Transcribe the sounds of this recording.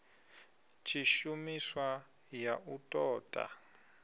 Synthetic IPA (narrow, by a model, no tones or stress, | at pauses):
t͡ʃʰiʃumiswa | jaʔutʼɔːtʼa̰